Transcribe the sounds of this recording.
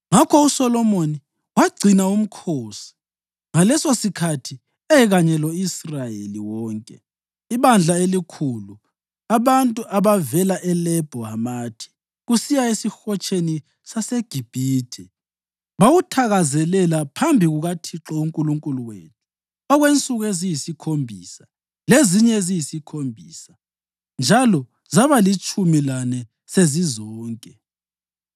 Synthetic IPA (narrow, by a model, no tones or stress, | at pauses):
ŋakʰɔusɔlɔmoni | waɡ͡ǀʱinaum̩kʰoːsi̥ | ŋalɛsosikʰatʰi | ɛɣaɲɛlɔisrajḛliwɔːŋkʼɛ̰ | iβand͡ɮʱaelikʰulu | aβantʼuʔaβavɛlaʔɛlɛb̥ʱɔɦamaːtʰi̥ | ɣusijaesixɔt͡ʃʰʼeni | saseɡ̥ʱib̥ʱiːdʰʱɛ | βawutʰaɣazɛlɛlapʰambʱiɣuɣatʰiǁɔuŋkʼuluŋkʼuluwḛːtʰu̥ | ɔɣwent͡sʼuɣezijisikʰombʱḭːsa | leziɲɛzijisikʰombʱiːsḁ | nd͡ʒʱalɔ | zaβalit͡ʃʼumilanɛ | sezizɔːŋkʼɛ